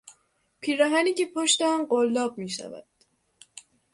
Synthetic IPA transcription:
pʰiːɾæɦæniːcepʰoʃt̪eɔnɢolːɒːb̚miːʃæ̰væ̰d̪̥

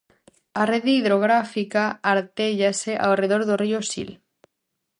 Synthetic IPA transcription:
areðiiðɾoɣ̞ɾafikaːɾt̪eʎaseʔa̰reð̞oɾðoriosḭl

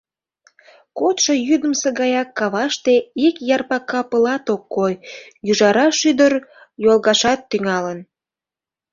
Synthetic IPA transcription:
kot̪ʃojyd̪əmseɣɑjɑkːɑβɑʃt̪eikjɑrpɑkɑpəlɑt̪okːojyʒɑɾɑʃyd̪ər | jolɣɑʃɑt̪ːyŋɑlən

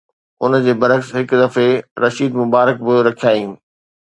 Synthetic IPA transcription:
ʊn̆d͡ʑeːbɐɾəksɦɪkd̪ɐfeɾɐʃiːd̪mʊbaːɾək̚bɪɾɐkʰijaːĩː

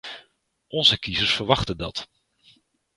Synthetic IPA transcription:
ʔɔnzəkizəsfərʋɑχtəndɑt

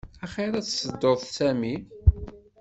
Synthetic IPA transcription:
æχeɾæt͡ssəd̪ːoðsæmi

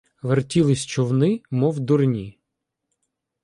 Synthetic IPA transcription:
ʋertʲilˠɪsʲt͡ʃɔwnɪmɔwd̪ʊrnʲi

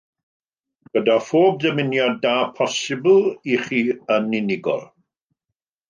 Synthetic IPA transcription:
ɡ̥ədafoːb̚dəmɪnjɔdaːpʰɔsɪbl̩ˠiχiːənɪnɪɡɔ̰lˠ

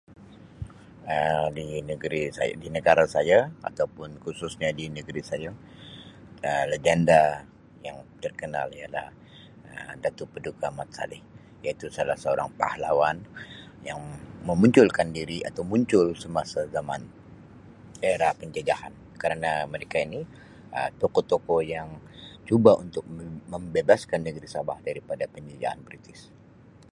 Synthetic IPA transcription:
ədinəɡəɾisa̰j̰dinəɡaɾasajaa̰t̪awpʊnkususɲadinəɡəɾisaja | əlad͡ʒanda | jaŋt̪ərkəna̰lijala̰h | ədat̪upədukamat̪̚sa̰lɪh | jait̪usalahsəoɾa̰ŋpa̰halawanjaŋməmuɲt͡ʃʊlkandiɾia̰t̪awmuɲt͡ʃʊlsəmasazama̰n | eɾahpəɲd͡ʒad͡ʒahan | kaɾənaməɾekaini | ə̰t̪okot̪okojaŋt͡ʃubaʔunt̪ʊk̚məmbebaskanːəɡəɾisabahdaɾipadapəɲd͡ʒad͡ʒa̰ha̰nbɾit̪ɪs

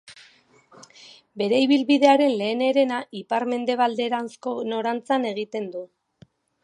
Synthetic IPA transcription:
be̞ɾe̞iβ̞ilβiðe̞aɾe̞nle̞ːne̞ɾe̞naʔipaɾme̞nd̪e̞β̞ald̪e̞ɾanskono̞ɾant͡sane̞ɣ̞it̪e̞nd̪u

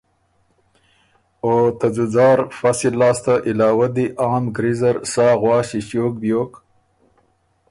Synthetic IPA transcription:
ot̪azuzɑːɾfasilːɑːst̪aʔɪlɑːwad̪iʔɑːmɡɾizaɾsɑːɣwɑːɕiɕjoːk̚bjoːk

